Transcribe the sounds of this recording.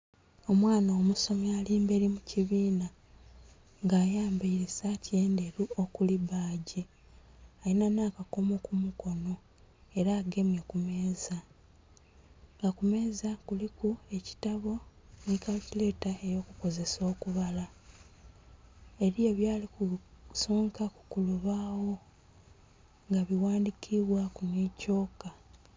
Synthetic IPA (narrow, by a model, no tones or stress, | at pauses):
o̞mwaːnaomuso̞mialiːmbe̞ːɾimuciβiːna | ŋɡaːjaːmbaiɾisatie̞ːndeɾuo̞kuliβaːɟi | ajinanakako̞mokumuko̞no̞ | e̞ɾaːɡe̞mjekume̞ːza | ŋɡakume̞ːzakulikue̞ci̥taβo̞ | nikalcile̞ːtae̞jo̞ːkuko̞ze̞so̞ːkuβala | e̞ɾieβjaːlikuso̞ːŋkaku̥kuluβaːwo̞ | ŋɡaβiwaːndikʰiβwakunico̞ːka